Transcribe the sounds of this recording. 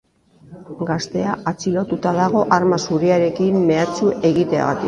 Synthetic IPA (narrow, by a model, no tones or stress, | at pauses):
ɡast̪e̞aʔat͡silo̞t̪ut̪aðaɣ̞o̞ʔaɾmasuɾiaɾe̞kimːe̞at͡suʔe̞ɣit̪e̞a̰ɣat̪i